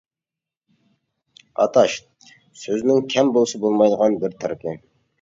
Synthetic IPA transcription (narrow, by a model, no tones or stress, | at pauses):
ɑ̰t̪ɑʃ | søznɪŋkʲʰɛmbolˠsɑbolˠmɑjd̪əʁɑnbɪɾt̪ʰɑɾkʲʰə